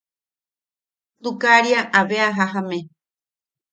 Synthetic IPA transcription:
t̪ukaɾiaʔaβeaɦaɦame

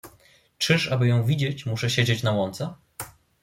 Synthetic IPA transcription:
t͡ʂɘʂabɘjɔ̃w̃vʲid͡ʑet͡ɕmuʂɛɕed͡ʑet͡ɕnawɔnt̪sa

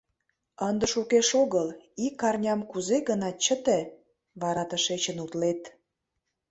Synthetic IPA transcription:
ənd̪ə̆ʃukeʃoɣəlikːɑrnʲɑmkuzeɣənɑt͡ɕət̪e | βɑɾɑt̪əʃet͡ɕənut̪let̪

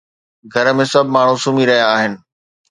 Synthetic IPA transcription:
ɡʱɐɾəmẽsɐbʱɪmaːɳ̤usuːmiɾɐɦijaːɦɪnɪ̆

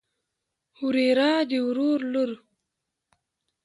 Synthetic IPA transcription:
huɾeɾɑːd̪iwɾoɾluɾ

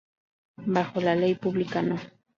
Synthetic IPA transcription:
baχolalajpʊblɪkanaw

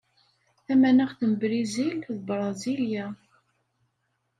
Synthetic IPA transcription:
θæmænəʁθəmbɾizilðbɾˤɑzilja

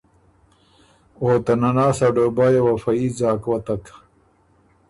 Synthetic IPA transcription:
oːt̪ɐnɐnaːsɐɖoːbajewɐfɐiːd͡zaːkwɐt̪ɐk

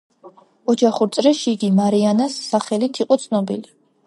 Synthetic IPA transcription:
ɔd͡ʒaχuɾt̪sʼɾɛʃiːɡimaɾianasːaχɛlit̪ʰiqʼɔt̪sʰnɔbḭli

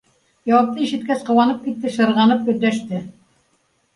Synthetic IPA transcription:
jɑwɑp̚t̪ɤiʃɘ̆t̪̚kæsqɤ̆wɑnɤp̚kit̪ːɘʃɤ̆ɾʁɑnɤp̚kɵ̆t̪læʃt̪ɘ

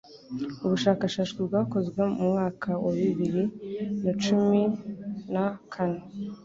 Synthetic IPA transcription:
uβuʃaːkaʃaːsibɡaːko̞zɡwe̞mṵmŋaːkʰawawiβiɾinat͡ʃuminakʰano

